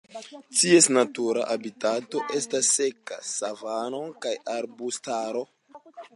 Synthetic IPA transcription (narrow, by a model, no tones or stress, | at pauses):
tie̞snatuɾa̰ʔabitato̞ʔe̞stasːe̞ka̰savano̞kajaɾbustaɾo̞